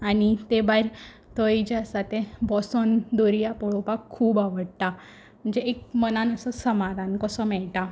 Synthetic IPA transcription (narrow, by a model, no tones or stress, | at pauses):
añit̪ebaiɾ | t̪əid͡ʑjasat̪ebɔsɔnd̪oɾijapɔɭɔpakʰːuːbaʋəɽt̪a | m̤əɳd͡zeekmənanəsəsəmaɾãnkəsɔmɛɭʈa